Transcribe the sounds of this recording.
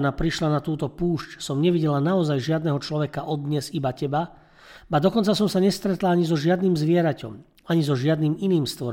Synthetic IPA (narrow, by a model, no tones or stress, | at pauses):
napɾiʃlanat̪uːt̪ɔpuːʃcsɔmɲɛʋiɟɛlanaɔzajʒɪad̪nɛɦɔt͡ʃlɔʋɛkaʔɔd̪ɲɛzibacɛba | bad̪ɔkɔnt͡sasɔmsaɲɛst̪ɾɛt̪laaɲizɔʒɪad̪niːmzʋɪɛɾacɔ̰m | aɲizɔʒɪad̪niːminiːmst̪ʋɔɾ